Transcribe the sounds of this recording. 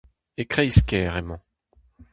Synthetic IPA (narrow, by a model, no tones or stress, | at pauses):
ekχɛiskʲɛːʁɛmɑ̃